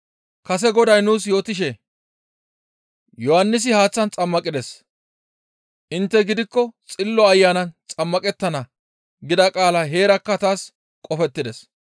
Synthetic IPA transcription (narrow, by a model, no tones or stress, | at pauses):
kɐsɛɡɔd̪ɐjnuːs̬jo̞ːt̪ɪʃɛ | jɔhɐnːɪs̬ɪhaːt͡sːɐnt͡sʼɐmːɐkʼɪd̪ɛs | ʔɪnt̪ːɛɡɪd̪ɪkːɔt͡sʼɪlːɔɐjːaːnɐnt͡sʼɐmːɐkʼɛt̪ːɐnɐ | ɡɪd̪ɐkʼaːlɐɦe̞ːɾɐkːɐt̪aːs | kʼɔfɛt̪ːɪd̪ɛs